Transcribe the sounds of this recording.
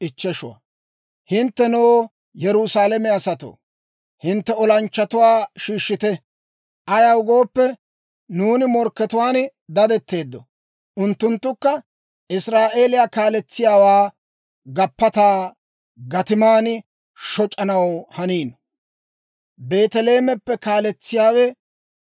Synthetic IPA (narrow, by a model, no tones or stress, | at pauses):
ɪt͡ʃːɛʃʊ̰wɐ̰ | hɪnt̪ːɛnoː | jɛɾʊsaːlɛmɛɐsɐt̪o̰ː | hɪnt̪ːɛɔlɐnt͡ʃːɐt̪ʊwaːʃiːʃːɪt̪ɛ | ʔɐjɐwʊɡo̞ːpːɛ | nuːnɪmɔɾkːɛt̪ʊwaːn | d̪ɐd̪ɛt̪ːe̞ːd̪ːɔ | ʔʊnt̪ːʊnt̪ːʊkːɐ | ɪsɾaːʔe̞ːlɪjaːkaːlɛt͡sːɪjaːwaː | ɡɐpːɐt̪aː | ɡɐt̪ɪmaːn | ʃɔt͡ʃʼːɐnɐwhɐniːn | be̞ːt̪ɛle̞ːmɛpːɛkaːlɛt͡sːɪjaːwɛ